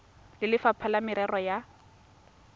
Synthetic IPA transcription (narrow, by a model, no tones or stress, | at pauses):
lɪlɪfapʰalamɪɾɛrɔja